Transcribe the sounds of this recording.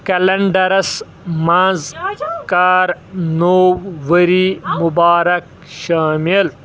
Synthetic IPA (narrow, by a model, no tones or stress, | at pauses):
kɐlɐɳɖɐɾɐs | mãːzkaːɾnoːwːɐɾimubaːɾɐk̚ | ʃaːmil